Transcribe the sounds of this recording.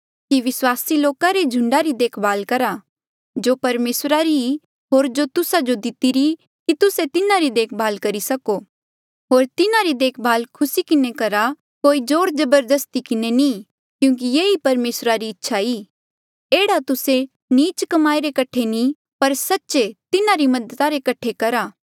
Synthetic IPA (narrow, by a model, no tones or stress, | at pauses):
kiʋɪswaːsiloːkaɾed͡ʒʱʊ̃ɳɖaɾid̪eːkʰbaːlkɐɾa | d͡ʒoːpɐɾmeːsɾaɾi | ɦoːɾd͡ʒot̪ʊsad͡ʒod̪ɪt̪iɾi | kit̪ʊset̪ɪnãɾid̪eːkʰbʱaːlkɐɾisɐko | ɦoːɾt̪ɪnaɾid̪eːkʰbʱaːlkʰʊsikɪnekɐɾa | koːid͡ʒoːɽd͡ʒɐbəɾd̪əst̪ikɪneni | kjũːk̬ijeipɐɾmeːsɾaɾiɪtːʃʰaiː | eːɽat̪ʊse | niːt͡ʃkɐmaːiɾekɐʈʰːenĩ | pɐɾsɐtːʃet̪ɪnãɾimɐd̪ət̪aɾekɐʈʰekɐɾaː